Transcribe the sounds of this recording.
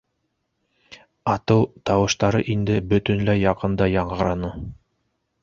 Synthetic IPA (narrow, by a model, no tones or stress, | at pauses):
ɑt̪ɤwt̪ɑwɤ̆ʃt̪ɑɾɤʔind̪ɘbɵ̆t̪ɵ̆nlæjɑqɤ̆nd̪ɑjɑɴɢɤ̆ɾɑnɤ